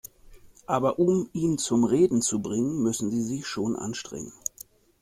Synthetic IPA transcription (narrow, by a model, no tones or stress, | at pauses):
ʔaːbɐʔʊmʔiːnt͡sʊmʁeːdn̩t͡subʁɪŋənmʏsn̩ziːzɪçʃoːnʔa̰nʃtʁ̥ɛ̰ŋə̰n